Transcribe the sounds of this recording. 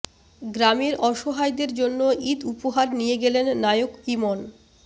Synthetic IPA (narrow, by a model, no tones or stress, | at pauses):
ɡɾamiɾɔʃoɦajd̪eɾd͡ʑonːoid̪upoɦaɾnijeɡelenːajokimon